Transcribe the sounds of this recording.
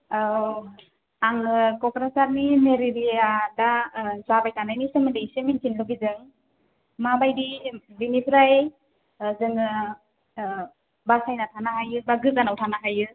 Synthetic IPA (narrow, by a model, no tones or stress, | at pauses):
a | aŋɯkɔkɾasaɾnimeɾiɾijadasabajtanajnisɯmɯnejsɯminkʰinluɡizɯŋ | mabajdibinipʰɾaj | zɯŋɯ | basajnatʰanaɦajɯbaɡɯzanawtʰanaɦajɯ